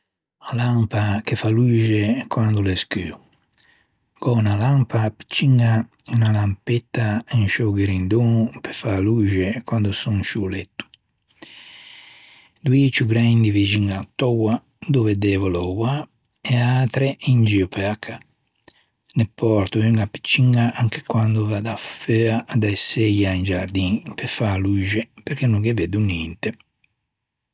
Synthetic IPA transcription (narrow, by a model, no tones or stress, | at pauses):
alampakefaluːʒekwand̪uleskyːu | ɡ̥ɔnalampapi̥t͡ʃːiŋa | unalampɛt̪ːainʃoɡeɾind̪oːnupe̥faluːʒekwand̪usuŋʃulɛt̪ːu̥ | d̪uet͡ʃuɡɾaind̪ivid͡ʒiŋat̪ːɔwa | d̪ovɛd̪ɛːvɔlɔwa | ɛaːt̪ɾɛind͡ʒiɔpɛakʰːa | nɛpːɔɾt̪uiŋɡapːi̥t͡ʃːiŋɡaʔaŋkɛ̥kwand̪uvad̪aføːad̪aɛsejaind͡ʒaɾd̪inpɛfalud͡ʒɛpɛɾkenːuŋɡevɛd̪unint̪ɛ